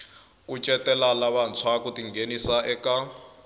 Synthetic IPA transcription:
k̬ʼut͡ʃʼɛtʼɛlalaβant͡sʰwakutʼiŋɡenisaʔɛka

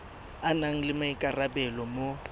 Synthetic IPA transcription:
anaŋ̩lɪmaikʼarabɛlɔmo

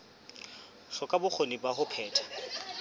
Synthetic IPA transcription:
ʃɔkʼabʊk͡xʰonibaɦʊpʰɛːtʰḁ

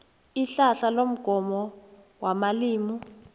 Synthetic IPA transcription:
iɬaɬalom̩ɡ̥ʱɔmɔ | wamaliːmu

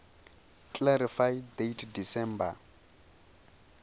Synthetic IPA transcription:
kʼlaɾifajdetʰdisɛmba

